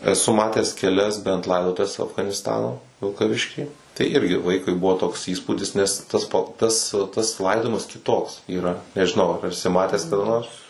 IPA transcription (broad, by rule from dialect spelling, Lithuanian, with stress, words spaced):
ɛˈsʊ ˈmɑːtʲɛs kʲɛˈlʲɛs bʲɛnt ˈlˠɐɪdoːtʊʋʲɛs ɐfɡɐnʲɪsˈtɑːnoː ʋʲɪlˠkɐˈʋʲɪʃʲkʲiː tɐɪ ˈɪrʲɡʲɪ ˈʋɐɪkʊɪ ˈbʊʋoː toːks ˈiːspuːdʲɪs ˈnʲɛs ˈtɐs pɐ ˈtɐs tɐs ˈlˠɐɪdoːjɪmɐs kʲɪˈtoːks iːˈrɐ nʲɛʒʲɪˈnɐʊ ɐr ɛˈsʲɪ ˈmɑːtʲæːs kɐˈdɐ ˈnoːrs